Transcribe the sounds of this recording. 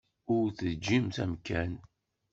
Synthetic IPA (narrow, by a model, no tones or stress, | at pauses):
ʊɾθəðd͡ʒːimθæmkæn